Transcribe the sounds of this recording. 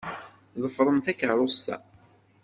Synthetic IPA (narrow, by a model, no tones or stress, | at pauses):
ðˤəfɾˤəmθækəɾˤʊst̪æ̰